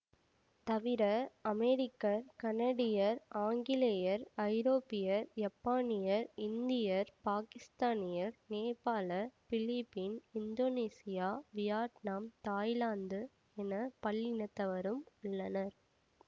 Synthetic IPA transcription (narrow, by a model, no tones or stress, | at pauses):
t̪ɐʋɪɾɐɐmɛɾɪkːɐɾkɐnɐɽɪjɐɾaːŋɡɪlejɐɾɐɪɾoːpːɪjɐɾd͡ʒɐpːaːnɪjɐɾɪnd̪ɪjɐɾpaːkɪst̪aːnɪjɐɾneːpaːlɐfɪlipːinɪnd̪oːneːsɪjaːʋɪjaːʈnaːmt̪aːjlaːnd̪ɯ | ɛnɐpɐɭːɪnɐt̪ːɐʋɐɾɯmʊɭːɐnɐɾ